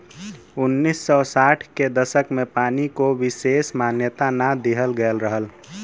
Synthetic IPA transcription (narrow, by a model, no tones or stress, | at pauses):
unːisːɔsaʈʰked̪əsəkmepaːnikoʋisesmanjət̪anad̪eɦəlɡəlɾəɦəl